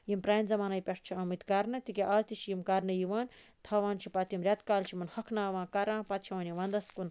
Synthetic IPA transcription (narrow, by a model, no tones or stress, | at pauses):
jimpɾaːnzɐmaːnajpʲɐʈʰt͡ʃʰiɐmɨt̪ʲkɐɾnɨt̪ikʲeʔaːzt̪it͡ʃʰijimkɐɾnɨjiʋaːn | t̪ʰaːʋaːnt͡ʃʰipɐt̪jimɾʲɐt̪kaːlt͡ʃʰimɐnhɐkʰnaːʋãːkɐɾãːpɐt̪̚t͡ʃʰiʋaːnjiʋɐnd̪ɐskun